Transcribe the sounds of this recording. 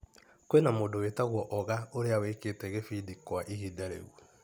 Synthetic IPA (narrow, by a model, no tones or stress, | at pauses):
kwenamoːdowetaɣwɔʔɔɣaoɾeaweketɛɣefidikwaʔihidaɾḛu